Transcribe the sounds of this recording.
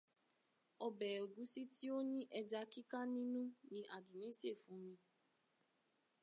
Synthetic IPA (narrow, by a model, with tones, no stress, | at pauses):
ɔ˧bɛ˨o˨ɡũ˨˦si˦ti˦o˦ɲĩ˦ʔɛ˧d͡ʒa˧ki˦ka˦nĩ˦nũ˦nĩ˧ʔa˨dũ˨nĩ˨˦se˦˨fũ˨˦mĩ˧